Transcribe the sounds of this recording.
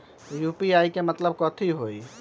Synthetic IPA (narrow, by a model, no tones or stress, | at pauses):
jupiajkemət̪ləb̚kɔt̪ʰiɦoj